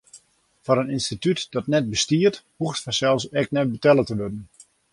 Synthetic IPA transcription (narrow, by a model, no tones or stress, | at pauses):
fɔɾəninstitytd̥ɔtnɛt̚bəstiərthuxtfɛsɛlˠsɛk̚nɛt̚bətɛlˠətəʋødən